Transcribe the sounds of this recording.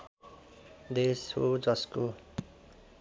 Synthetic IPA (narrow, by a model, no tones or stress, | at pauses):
d̪eshod͡zʌsko